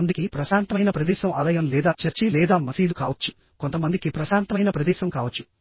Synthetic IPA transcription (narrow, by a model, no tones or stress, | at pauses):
nd̪ikipɾɐsaːnt̪ɐmɐjnɐpɾɐd̪iːʃɐmɐlɐjɐmlɛːd̪aːt͡ʃɐɾt͡ʃilɛːd̪aːmɐsiːd̪ukaːʋɐt͡ʃːu̥ | kont̪ɐmɐnd̪ikipɾɐsaːnt̪ɐmɐjnɐpɾɐd̪iːʃɐmkaːʋɐt͡ʃːu̥